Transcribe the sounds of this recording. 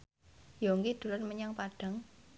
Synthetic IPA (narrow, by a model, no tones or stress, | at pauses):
joŋɡid̪̥ṳlʊrməɲaŋpaɖ̥a̤ŋ